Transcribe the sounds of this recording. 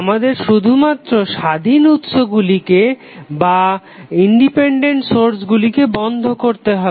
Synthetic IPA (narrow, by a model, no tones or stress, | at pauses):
amad̪eɾʃud̪ʱumat̪ːɾoʃad̪ʱinut̪ʃoɡulike | ba | iɳɖipeɳɖeɳʈsoɾsɡulikebɔnd̪ʱokoɾt̪eɦɔ